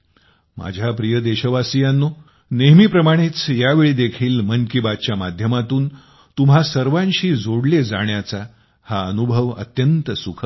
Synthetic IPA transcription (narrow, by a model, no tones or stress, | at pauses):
ma̰d͡ʑʱjapɾijəd̪eɕəʋasijanːo | neɦmiːpɾəmaɽ̃et͡sjaʋeɭiːd̪ekʰiːlmənkibad̪̚t͡ɕjamad̪ʱjəmat̪uːn | t̪umɦasəɾʋãnɕiːd͡zoɽled͡zaɳjat͡sa | haənubʱəʋə̰t̪jənt̪əsukʰə